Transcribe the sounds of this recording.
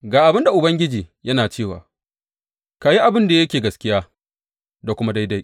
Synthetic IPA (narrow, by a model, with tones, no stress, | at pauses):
ɡaː˨ʔa˨bɪ˦nda˨ʔʊ˨bɐ˦ŋɡʲɪ˦d͡ʒiː˨jɐ˦naː˨t͡ʃeː˦˨wa̰ː˨ | ka˨ji˦ʔa˨bɪ˦nda˨jɐ˦kʲeː˨ɡɐ˨skʲɪ˦jaː˦ | da˨kʷʊ˦ma˦da˦jda˦j